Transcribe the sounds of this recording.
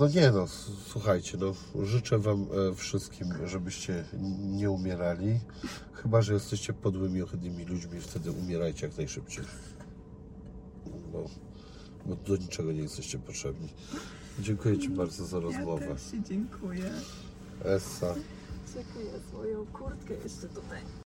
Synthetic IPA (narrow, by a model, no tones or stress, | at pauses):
nɔɲɛnɔ | swuxajt͡ɕɛnɔ | ʐɘt͡ʂɛvamfʂɘst̪̚kʲimʐɛbɘɕt͡ɕɛɲɛumʲjɛɾalʲi | xɘbaʐɛjɛst̪ɛɕt͡ɕɛpɔd̪wɘmʲiɔxɛd̪ɲimʲilud͡ʑmʲift̪ʰɛd̪ɘʔumʲjɛɾajt͡ɕɛjaknajʂɘp̚t͡ɕej | bɔ̰ | bɔd̪ɔɲit͡ʂɛɡɔɲɛjɛst̪ɛɕt͡ɕɛpɔtʂɛbɲi | d͡ʑɛŋkujɛt͡ɕibaɾd̪zɔzaɾɔzmɔvvɛeŋkʰujɛ | ʔɛsːa | d͡ʑɛŋkujɛzmɔjɔ̃w̃kuɾt̪kɛjɛ̰sɛt̪ut̪aj